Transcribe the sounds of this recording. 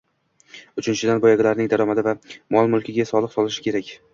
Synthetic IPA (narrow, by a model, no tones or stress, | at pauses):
ʊt͡ʃʰɪnt͡ʃʰɪd̪anbɒjaɡʲɪlaɾnɪŋd̪aɾɒmad̪ɪvamɒlˠmʊlˠkʲʰɪɡʲasɒlˠɨqsɒlˠɪʃɪ̥kʲʰe̞ɾakʲ